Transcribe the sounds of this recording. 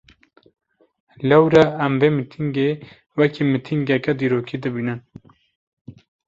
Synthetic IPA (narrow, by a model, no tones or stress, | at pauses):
lɛwɾɛːmbeːmit̪ʰiŋɡe | wɛkimit̪ʰiŋɡɛkɛd̪iːɾoːkid̪ɨbiːnɨn